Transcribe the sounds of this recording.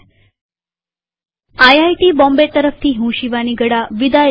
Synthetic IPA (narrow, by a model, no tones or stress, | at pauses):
ajajʈiːbɔ̃mbet̪əɾəft̪ʰiːɦũɕiʋaniɡəɽaʋid̪a